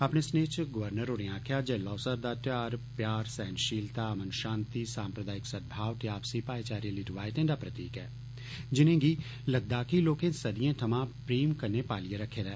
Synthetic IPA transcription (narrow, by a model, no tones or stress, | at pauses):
ɐpnesneːt͡ʃɡəʋəɾnəɾoɾẽãːkʰjad͡ʒɛlɔːsəɾd̪at̪jaːɾpjaːɾsɛːnʃiːlt̪aɐmənʃãːnt̪isaːmpɾəd̪aːɪksəd̪̚bʱaːʋt̪eaːpsipaːjt͡ʃaːɾeliʈʋaːjʈ̪ẽːnɖaːpɾət̪iːkɛː | d͡ʒɪnẽːɡi | ləɡ̚d̪aːkiloːkẽsɐd̪ijãːʈʰɐmãpɾiːmkɐɾnepaːlijeɾɐkʰːeːɾɛː